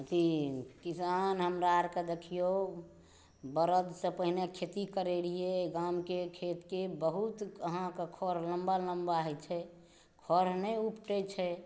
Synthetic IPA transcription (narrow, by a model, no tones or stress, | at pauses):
ət̪ikisanɦəmɾaɾked̪ekʰijo | bəɾəd̪sə̃pəɦinekʰet̪ikəɾeɾieɡamkekʰet̪kebəɦut̪əɦãkekʰɔɾləmbaləmbaɦɛt͡ʃʰɛ | kʰɔɾnɛupʈɛt͡ʃʰɛ